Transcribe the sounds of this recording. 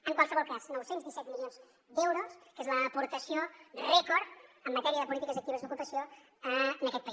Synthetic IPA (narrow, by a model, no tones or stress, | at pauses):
əŋkwalsəβɔlˠkaznɔwsenzd̪isɛt̪milionz | d̪ɛwɾoskezləːpuɾt̪əsiorɛkɔɾəmːət̪ɛɾiəðəpulit̪ikəzək̚t̪iβəzd̪ukupəsijo | əənəkɛt̪̚pəis